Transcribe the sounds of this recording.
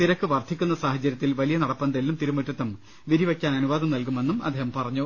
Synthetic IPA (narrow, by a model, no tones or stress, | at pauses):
t̪iɾɐkːɨʋɐrt̪ʰikʲːunːɐsaːhɐt͡ɕːɐɾjɐt̪ːilʋɐlijɐnɐɽɐpːɐnd̪ɐlnumt̪iɾumɐt̪ːɐt̪ːɐm | ʋiɾiʋɐkʲːaːnɐnuʋaːðɐmnɐlkume̞nːumɐd̪ʱeːhɐmpɐrɐɲːu